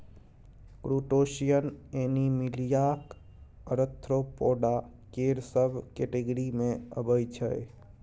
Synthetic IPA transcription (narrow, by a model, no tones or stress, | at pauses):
kɾuːʈoːʃijənenimɪlijaːk | əɾət̪ʰːɾopoːɖa | keɾsəbʱkeʈeɡəɾimẽə̰bəjt͡ʃʰəe